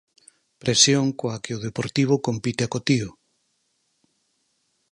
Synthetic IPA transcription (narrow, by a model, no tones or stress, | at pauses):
pɾʔesjoŋkoakeoð̞epoɾt̪iβ̞okompit̪eakot̪iʊ